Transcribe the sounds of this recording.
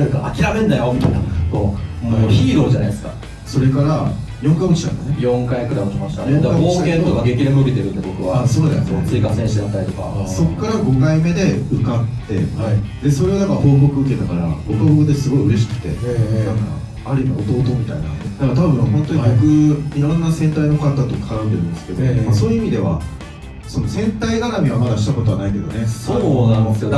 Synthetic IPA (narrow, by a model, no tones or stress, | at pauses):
ɯkaakʲiɾamẽ̞nd̪ajomʲit̪a̰ina̰komoçiːɾo̞ːd͡ʑanaisɨ̥ka̰ | so̞ɾe̞kaɾa | jõ̞ŋkajɡot͡ɕi̥t̪ã̰nd̪ane̞jõ̞ŋkajakɯ̟ɾamot͡ɕikõɕi̥t̪ajõŋkd̪aoiakẽnt̪okaɡekʲiɾemːɯket̪e̞ɾɯ̟̃nd̪ebo̞kɯ̟βaasoːd̪asososɨikasẽɕisẽnt̪ait̪o̞ka̰so̞kːaɾaɡo̞kaime̞d̪e̞ɯ̟kat̪ːe̞̰had̪e̞so̞ɾe̞ad̪akahoːbokɯ̟ɯ̟ke̞t̪akaɾa̰bo̞kɯβabokɯ̟d̪e̞sɨɡo̞iɯ̟ɾe̞ɕ̬i̥kɯ̟̥t̪e̞̰nãŋka̰ | aɾɯ̟imio̞t̪o̞ːt̪o̞ːmʲit̪aina̰d̪akat̪abɯ̟̃hõnt̪o̞ɲɡokɯ̟iɾõnːasẽ̞nt̪ainokat̪ːat̪okʰḁkaɾɯ̃neɾɯ̃nd̪esɨ̥ke̞d̪oaso̞ːjɯimʲid̪e̞βa̰ | so̞no̞sẽ̞nt̪aiaɾamʲiβamad̪aɕi̥t̪ako̞t̪o̞βanaike̞d̪o̞̰ne̞soamasɨjo